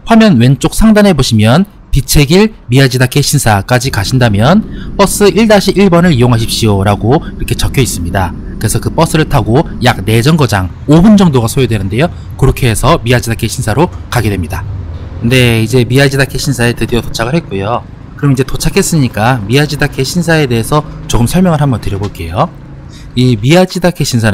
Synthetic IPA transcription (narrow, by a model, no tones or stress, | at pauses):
ɸwamjʌnwe̞nt͡ɕ͈ok̚s͈ʰaŋdanɦe̞boɕʰimjʌn | pit͡ɕʰe̞ɡiɭ | miad͡ʑidakʰe̞ɕʰinsʰak͈ad͡ʑikaɕʰindamjʌnp͈ʌs͈ɯʔiɭdaɕʰiʔiɭbʌnɯɾijoŋɦaɕ̬ʰip̚ɕ͈ioɾaɡoiɾʌkʰe̞t͡ɕʌkʰjʌis͈ɯmɲida | kɯɾe̞sʰʌkɯp͈ʌs͈ʰɯɾɯɭtʰaɡo | jak̚ne̞d͡ʑʌnɡʌd͡ʑaŋ | obɯnd͡ʑʌŋdoɡasʰojodwe̞nɯnde̞jo | kɯɾʌkʰe̞ːsʰʌmiad͡ʑidakʰeɕʰinsʰaɾokaɡedwemɲidakɯnde̞id͡ʑe̞miad͡ʑidakʰeɕʰinsʰaetɯdiʌtot͡ɕʰaɡɯɭhe̞t̚k͈ojo | kɯɾʌmnid͡ʑe̞tot͡ɕʰakʰe̞s͈ɯmɲik͈amiad͡ʑidakʰeɕʰinsʰae̞de̞ɦesʰʌt͡ɕoɡɯmsʰʌɭmjʌŋɯɭɦambʌntɯɾjʌboɭk͈e̞jo | imiad͡ʑidakʰeɕʰinsʰa